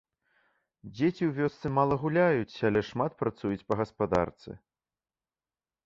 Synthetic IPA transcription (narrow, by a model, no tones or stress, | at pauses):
d͡zʲet͡sʲiwvʲɔst̪sɨmalˠɐɣulʲajut͡sʲalʲɛʂmat̪̚pɾat̪sujut͡sʲpɐɣɐspad̪a̰rt̪sɨ̰